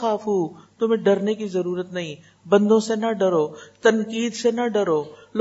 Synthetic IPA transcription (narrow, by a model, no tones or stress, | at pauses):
xaːfuːt̪ʊm̤ẽɖɐɾnekizɐɾuːɾət̪nɐɦĩ | bɐ̃nd̪ʱõsenɐɖɐɾot̪ɐnkiːd̪senɐɖɐɾoːl